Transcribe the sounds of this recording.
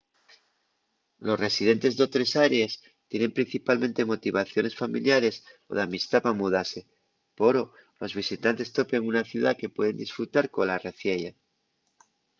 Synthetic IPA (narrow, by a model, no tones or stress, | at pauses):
lo̞sresið̞e̞nt̪e̞zðo̞t̪ɾe̞saɾees | t̪je̞ne̞mpɾin̟θipalmẽ̞nt̪e̞mo̞t̪iβaθjo̞ne̞sfamiljaɾe̞so̞̰ðeamist̪apamuðase̞ | po̞ɾo̞ | lo̞zβ̞isit̪ant̪e̞st̪o̞peŋunaθjuðake̞pwe̞ðe̞nd̪isfɾut̪aɾko̞nlareθjeʝa